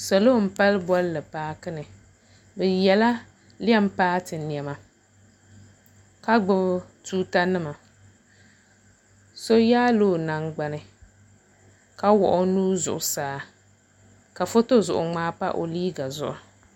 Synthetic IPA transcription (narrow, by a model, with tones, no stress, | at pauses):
so˨lo˦˨m̩˨pa˦lbɔ˦lːɨ˨paː˦kɨ˦nɨ˨ | bɛ˨jɛ˨la˦ | lɪ˦ɛ˦m˦paː˦tɨ˨ni˨ɛ˨ma˨ | ka˦ɡ͡bɨ˦btuː˦ta˦nɨ˦ma˨ | so˦jaː˦loː˦˨na˨ŋɡ͡ba˨nɨ˨ | ka˦wɔ̰˨ʔʊ˦nuː˦zʊ̰˨ʔʊ˨saː˨˦˨ | ka˨fo˦to˦zʊ˨ʔʊ˨ŋ͡maː˦pa̰˦ʔo̰˨liː˦ɡa˨zʊ˨ʔʊ˨